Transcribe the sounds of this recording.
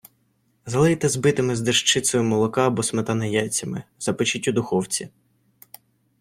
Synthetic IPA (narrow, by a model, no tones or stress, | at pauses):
zɐlˠɪjt̪ɛzbɪt̪ɪmɪzd̪eʃt͡ʃɪt̪sɔjʊmɔlˠɔkɑːbɔsmet̪ɐnɐjat͡sʲɐmɪ̰z̥ɐpɪt͡ʃɪtʲːud̪ʊxɔwt͡sʲi